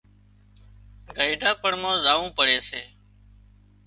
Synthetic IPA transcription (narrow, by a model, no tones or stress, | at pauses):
ɡʱəiːɖʱaːpəɳmãːzaːʋũːpəɽeːseː